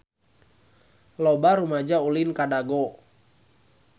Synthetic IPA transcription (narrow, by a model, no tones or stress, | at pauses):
lɔbaɾumad͡ʒaulinkadaɡo